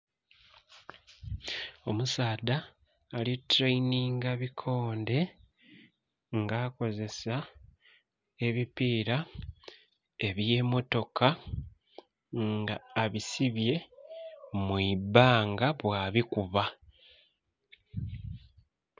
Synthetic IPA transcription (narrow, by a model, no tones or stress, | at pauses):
o̞musaːdaː | litɾejniːŋɡaβikʰo̞ːnde̞ | ŋɡaːko̞ze̞sa | e̞βipiːɾa | e̞βje̞mo̞to̞ka | ŋɡaːβisiβje̞ | mwibaːŋɡaβwaːβikuβa